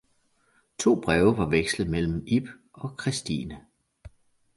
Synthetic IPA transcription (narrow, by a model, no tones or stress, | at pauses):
t͡sʰo̝̰ːb̥ʁɛːʊəʋɑ̈ʋeɡ̥slð̩ˠmel̰m̩ib̥ | ɒ̽kʰʁisd̥ḭːnə